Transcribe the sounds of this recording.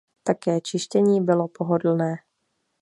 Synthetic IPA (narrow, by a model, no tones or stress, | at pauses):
t̪akɛːt͡ʃɪʃcɛɲiːbɪlo̞poɦodl̩nɛː